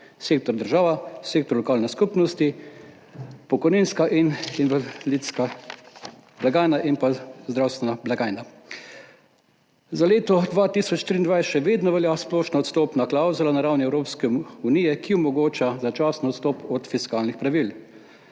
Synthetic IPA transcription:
seːk̚t̪ɔɾd̪əɾʒaːʋaseːk̚t̪ɔɾlɔkaːlnɛskupnɔst̪i | pɔkɔjniːnskaʔininʋalit̪ska | blaɡaːjnaʔinpazd̪ɾawst̪ʋɛnablaɡaːjna | zaleːt̪ɔd̪ʋaːt̪isɔt͡ʃt̪ɾiːnd̪ʋajsʃɛʋeːd̪nɔʋɛljasplɔːʃnɔɔt̪st̪ɔːpnaklawzulanaɾawniɛwɾoːpskɛunijɛkiɔmɔɡoːt͡ʃazat͡ʃasnɔɔt̪st̪ɔːpɔt̪fiskaːlnixpɾaʋil

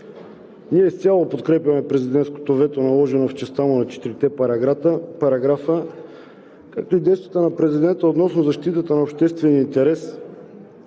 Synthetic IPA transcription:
niɛst̪sʲalˠopot̪kɾɛpjɐmɛpɾɛzid̪ɛnt̪sko̥t̪ovɛt̪onɐlˠɔʒɛnoft͡ʃɛst̪amonɐt͡ʃɛ̥t̪iɾit̪ɛpɾɐɡɾat̪əpɐɾɐɡɾafə | kak̚t̪oid̪ɛjst̪vət̪ənɐpɾɛzid̪ɛnt̪əot̪nɔsnozɐʃt̪it̪ət̪ənɐopʃt̪ɛst̪vɛniəint̪ɛɾɛs

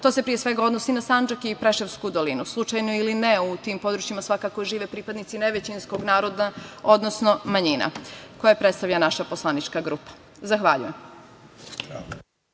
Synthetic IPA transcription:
t̪o̞se̞pɾijesʋe̞ɡao̞d̪no̞sinasand͡ʒakipɾeʃeʋskud̪o̞linuslˠut͡ʃajnoilineut̪impo̞d̪ɾut͡ɕimasʋakakoʒiːʋepɾipad̪nit̪sineʋet͡ɕinsko̞ɡnaːɾo̞d̪ao̞d̪nosnomaɲina̰ko̞japɾet̪st̪aʋʎanaʃaposlˠanit͡ʃkaɡɾupḁ | zaxʋaʎṵjem

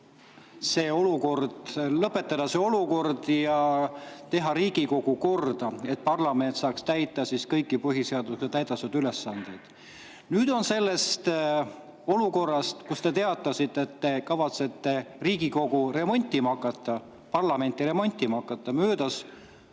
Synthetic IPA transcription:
se̞ːo̞luko̞rd̪̥lɤpːe̞t̪ːˑɑd̪̥ɑseo̞luko̞rd̪jɑt̪e̞ɦɑɾiːɡ̥iko̞ɡ̥uko̞rd̪̥ɑe̞t̪̚pɑrlɑme̞nt̪sɑːkst̪æjt̪ːˑɑsiskɤjkːˑipɤɦise̞ɑd̪̥uskset̪æjd̪̥ɑsɑd̪ylesːɑnd̪̥e̞jd̪̥ | nyːd̪o̞nse̞lːe̞st̪ | o̞luko̞rːɑst̪kust̪e̞t̪e̞ɑt̪ːˑɑsit̪ːeet̪ːe̞kɑvɑt̪se̞t̪ːe̞riːɡiko̞ɡ̥uɾe̞mo̞nʲt̪ʲːˑimɑkːˑɑt̪ːˑɑ | pɑrlɑme̞nʲt̪ːˑiɾe̞mo̞nʲt̪ʲːˑimɑkːˑɑt̪ˑːɑmøːd̪̥ɑs

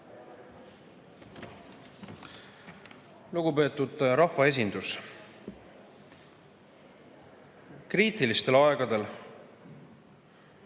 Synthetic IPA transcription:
luɡ̥upe̞ːt̪ud̪̥ɾɑhvɑe̞s̬ʲind̪̥us | kriːt̪ilist̪e̞lɑe̞ɡ̥ɑd̪e̞l

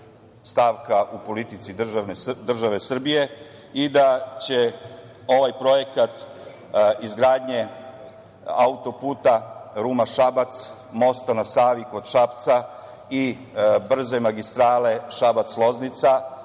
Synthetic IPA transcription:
st̪aːʋkaʔupo̞lit̪it̪siʒned̪r̩ʒaʋe̞sr̩bije̞ | id̪at͡ɕe | o̞ʋajpɾo̞je̞kat̪ | izɡɾaːd̪ɲe̞ | aut̪o̞puːt̪aɾuːmaʃabat̪s | mo̞st̪anasaːʋikod̪ʃapt̪sa | i | br̩ze̞maɡist̪ɾaːle̞ʃabat̪slˠo̞znit̪sa

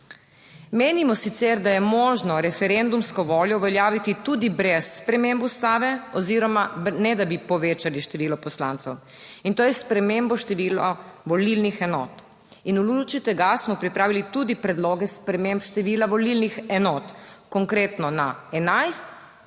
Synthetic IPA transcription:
meːnimɔsit̪sɛɾd̪ajɛmɔːʒnɔɾɛfɛɾend̪umskɔʋoːljɔuʋɛljaːʋit̪it̪ud̪ibɾɛsːpɾɛmembust̪aːʋɛɔziɾɔmanɛd̪abipɔʋeːt͡ʃaliʃt̪ɛʋiːlɔpɔslant̪sɛw | int̪oːjɛspɾɛmembɔʃt̪ɛʋiːlɔʋɔlilnixɛnɔːt̪ | inulut͡ʃit̪ɛɡasmɔpɾipɾaːʋilit̪ud̪ipɾɛd̪loːɡɛspɾɛmempʃt̪ɛʋiːlaʋɔlilnixɛnɔːt̪kɔŋkɾeːt̪nɔnaɛnajst̪

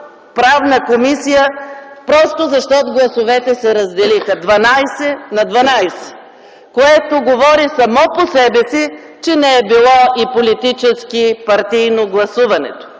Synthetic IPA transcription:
pɾavnəkomisijəpɾɔst̪ozɐʃt̪ɔt̪oɡlˠɐsovɛt̪ɛsɛɾɐzd̪ɛlixəd̪vɐnajsɛnɐd̪vɐnajsɛ̥ | koɛt̪oɡovɔɾisɐmɔposɛbɛsi | t͡ʃɛnɛɛbilˠɔipolit̪it͡ʃɛskipɐɾt̪ijnoɡlˠɐsuvɐnɛ̰t̪o̥

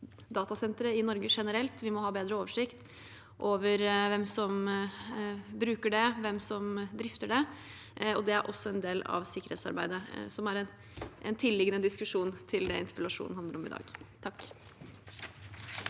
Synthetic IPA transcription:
d̪ɑːt̪ɑsɛnt̪ɾəɪnɔɾɡəʂɛnəɾɛlt̪ʋɪmɔhɑːbeːd̪ɾəoːʋəʂɪkt̪ | ʔoːʋəɾʋɛmsɔm | bɾʉːkəɖɛʋɛmsɔmd̪ɾɪft̪əɖɛ | ɔd̪ɛæɾʔɔsːɔɛnd̪eːlɑ̰ʋsɪkːəɾheːt̪sɑ̰ɾbæɪd̪əsɔmæɾɛn | ʔɛnt̪ʰɪlːɪɡənəd̪ɪskʉʂuːnt̪ʰɪld̪ɛɪnt̪əpəlɑʂṵnnhɑnd̪əɾɔmɪ̰d̪ɑ̰ːɡt̪ʰɑkː

